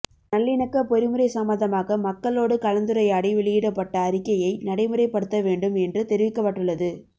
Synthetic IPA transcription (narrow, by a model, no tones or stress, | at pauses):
nɐlːɪnɐkːɐpɔɾɪmɯɾɐɪsɐmːɐðɐmaːɣɐmɐkːɐɭoːɽɯkɐlɐnd̪ɯɾɐjaːɽiʋɪɭɪjɪɽɐpːɐʈːɐːɾɪkːɐjɐɪnɐɽɐɪmɯɾɐɪpːɐɽɯt̪ːɐʋeːɳɖɯmɛndrɯt̪ɛɾɪʋɪkːɐpːɐʈːɯɭːɐðɯ